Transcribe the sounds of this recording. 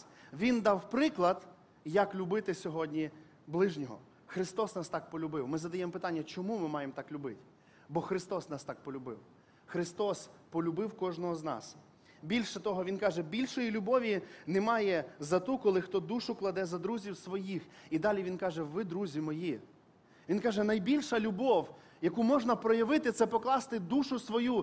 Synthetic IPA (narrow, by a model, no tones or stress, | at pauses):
ʋʲind̪ɑwpɾɪklˠɐd̪ | jɐklʲʊbɪt̪ɪsʲɔɦɔdʲnʲi | blˠɪʒnʲɔɦɔ̰ | xɾɪst̪ɔsnɑst̪ɑk̚pɔlʲʊbɪwmɪzɐd̪ɐjɛmɔpɪt̪ɑnʲːɐt͡ʃɔmumɪmɑjemt̪ɑklʲʊbɪtʲ | bɔxɾɪst̪ɔsnɑst̪ɑk̚pɔlʲʊbɪw | xɾɪst̪ɔspɔlʲʊbɪwkɔʒnɔɦɔznɑ̰s | bʲilʲʃɛt̪ɔɦɔʋʲinkɑʒɛbʲilʲʃɔjilʲʊbɔʋʲinɛmɑjɛzɐt̪ukɔlˠɪxt̪ɔd̪uʃʊklˠɐd̪ɛzɐd̪ɾuzʲiwsʋɔjixid̪ɑlʲiʋʲinkɑʒɛʋɪd̪ɾuzʲimɔji | ʋʲinkɑʒɛnɐjbʲilʲʃɐlʲʊbɔw | jɐkumɔʒnɐpɾɔjɐʋɪt̪ɪt̪sɛpɔklˠɑst̪ɪd̪uʃʊsʋɔju